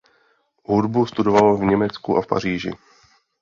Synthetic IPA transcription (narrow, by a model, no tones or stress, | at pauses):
ɦudbust̪udovalovɲɛmɛt͡skuʔafpa̰r̝iːʒɪ̰